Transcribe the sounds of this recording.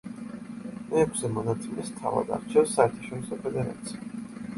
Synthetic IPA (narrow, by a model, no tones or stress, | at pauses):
mɛːkʷʰsɛmɔnat̪sʰimɛst̪ʰa̰va̰d̪a̰ɾt͡ʃʰɛsːaɛɾt̪ʰaʃɔɾisɔpʰɛd̪ɛɾa̰t̪sʰi̥